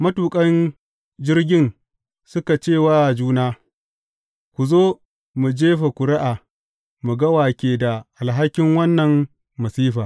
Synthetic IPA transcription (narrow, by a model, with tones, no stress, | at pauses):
mɐ˦tuː˨kʼɐ˦n | d͡ʒɪ˦rɡʲɪ˦n | sʊ˦ka˨t͡ʃeː˦˨waː˦˨d͡ʒuː˦naː˦ | kʷu˨zoː˦ | mu˨d͡ʒeː˦ɸa˨kʷʊ˨ɾɪ˦ʔaː˨ | mu˨ɡɐ˦waː˨kʲeː˨da˨ʔa˨lɦa˦kʲːɪ˦ŋwɐ˦nːɐ˨ŋː | ɐ˨siː˦ɸaː˨